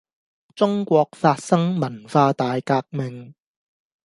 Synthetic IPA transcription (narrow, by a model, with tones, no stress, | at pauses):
t͡sʊ˥ŋkʷɔː˧k̚faː˧t̚sɐ˥ŋmɐ˨˩nfaː˧t̪aː˨˧jkaː˧k̚mɪ˨ŋ